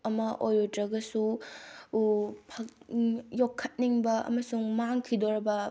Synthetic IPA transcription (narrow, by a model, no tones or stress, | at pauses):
ɐmɐʔojotɾɐɡɐsu | pʰɐkjokʰːɐt̚niŋbɐɐ̰mɐsuŋmaŋkʰidoɾɐbɐ